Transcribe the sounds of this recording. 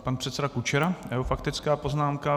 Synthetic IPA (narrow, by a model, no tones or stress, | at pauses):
panpr̝̥ɛt̪sɛdakut͡ʃɛɾajɛɦofakt̪ɪt͡skaːpo̞znaːmka